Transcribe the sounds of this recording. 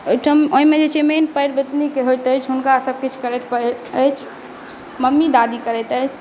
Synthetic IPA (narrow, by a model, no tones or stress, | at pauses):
ojʈʰəoimed͡ʒet͡ʃʰemenpəjɾbet̪nikeɦojt̪əjt͡ʃʰɦunkasəb̚ket͡ʃʰkəɾeʈ̪pəət͡ʃʰ | məmːid̪ad̪ikəɾɛjt̪əjt͡ʃʰ